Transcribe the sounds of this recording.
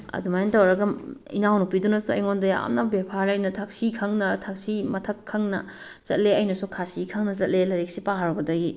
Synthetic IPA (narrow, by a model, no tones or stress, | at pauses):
ɐ̰dumajantɐwɾɐɡɐḭnawnupidunɐsuɐ̰jŋondɐja̰mnɐbepʰalɐjnɐtʰak̚sikʰɐŋnɐtʰak̚simɐtʰɐkʰːɐŋnɐ̰ | t͡ʃɐt̚leɐjnɐsukʰasikʰɐŋnɐt͡ʃɐt̚lelɐɾik̚sipaɦaɾɐbɐdɐɡi